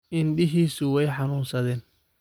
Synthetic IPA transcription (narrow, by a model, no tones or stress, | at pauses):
ʔɪnɖɪɦiːsʊwɛjħɑnuːnsɐðɛːn